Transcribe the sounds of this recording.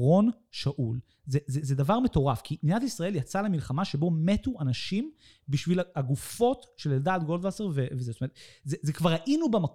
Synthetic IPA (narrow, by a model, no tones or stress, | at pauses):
ʁo̞n | ʃaʔul | zezezedavaʁme̞to̞ʁafkʰinijatisʁɐʔe̞ljat͡salemilχamaʃe̞bo̞metuanaʃim | biʃvilaaɡufo̞tʃeleld̪aːt̪̚ɡo̞ld̪vaseʁvevezest̪omettzezekvaʁaʔinubemak